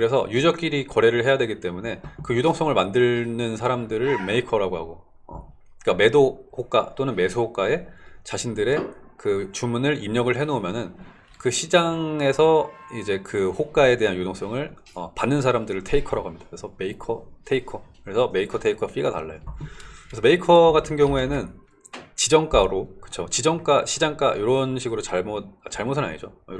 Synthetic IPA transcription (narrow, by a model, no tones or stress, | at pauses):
kɯɾe̞sʰʌ̰jud͡ʑʌk͈iɾikʌɾe̞ɾɯɭɦe̞jadwe̞ɡit͈e̞mune̞kɯjudoŋs͈ʌŋɯɭmandɯɭnɯnsʰaɾamdɯɾɯɭme̞ikʰʌɾaɡoɦaɡo | ʌ̰ | ik͈ame̞dohok͈at͈onɯnme̞sʰuhok͈ae̞t͡ɕaɕʰindɯɾe̞kɯt͡ɕumunɯɾimɲʌɡɯɭɦe̞nomjʌnɯn | kɯɕʰid͡ʑaŋe̞sʰʌid͡ʑe̞kɯhok͈ae̞de̞ɦanjodoŋs͈ʌŋɯɭ | ʌ̰panːɯnsʰaɾamdɯɾɯɭtʰe̞ikʰʌɾʌɡamɲid̥ḁkɯɾesʰʌme̞ikʰʌtʰe̞ikʰʌkɯɾe̞sʰʌme̞ikʰʌtʰe̞ikʰʌɸʰiɡata̰ɭːa̰jokɾeʌme̞ikʰʌɡatʰɯnɡjʌŋue̞nɯn | t͡ɕid͡ʑʌŋk͈aɾokɯ̥t͡ɕʰot͡ɕid͡ʑʌŋk͈aɕʰid͡ʑaŋk͈a̰joɾʌnɕʰiɡɯɾot͡ɕaɭmot̚at͡ɕaɭmotʰɯna̰ɲid͡ʑojo